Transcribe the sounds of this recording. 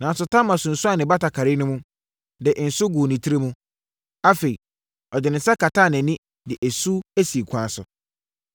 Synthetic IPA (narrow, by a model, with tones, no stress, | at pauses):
nã˨˦sʊ˨tʰã˦mã˨sʊ̃˨n̩˨sʊ˦a˦˨nɪ̃˨ba˦tʰa˨kʰa˨ɾɪ˦nʊ̃˦mũ˦ | dɪ˨n̩˨sʊ˦ɡuː˨nĩ˨tʰi˦ɾe˦mũ˦ | a˦fe˨i˨ | ɔ˨dɪ˨nɪ̃˨n̩˦sɛ˦kʰa˨tʰa˦˨nɪ̃˨nɪ̃˦ | dɪ˨ʔæ˨su˦æ˦si˨kʷʰã˨sʊ̰˨